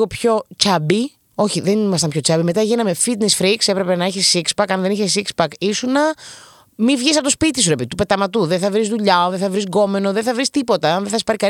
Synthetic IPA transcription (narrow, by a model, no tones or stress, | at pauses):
opço̞t͡ʃɐbi | o̞çiðenimɐst̪ɐmpço̞t͡ʃɐbimet̪ɐʝinɐme̞fit̪nesfɾikse̞pɾe̞pe̞nɐiçisikspɐkɐnðe̞niçesikspɐkisunɐ | mivʝisɐpot̪ospit̪is̬uɾepeðit̪upe̞t̪ɐmɐt̪uðeθɐvɾizðuʎɐoðeθɐvɾizɡo̞me̞noðeθɐvɾist̪ipo̞t̪ɐɐnðeθɐsi̥pɐɾikɐ